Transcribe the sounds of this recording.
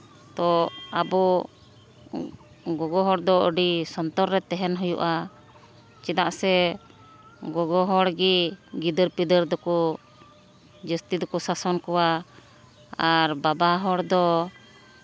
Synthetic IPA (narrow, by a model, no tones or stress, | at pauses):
t̪ɔabɔ | ɡɔɡɔɦɔɽd̪ɔəɖisɔnt̪ɔɾɾɛt̪ːɛɦɛnɦɔjṵʔa | t͡ʃɛd̪aʔsɛ | ɡɔɡɔɦɔɽɡiɡid̪əɾpid̪əɾd̪ɔkɔ | d͡ʒəst̪id̪ɔkɔsasɔnkɔwa | aɾbabaɦɔɽd̪ɔ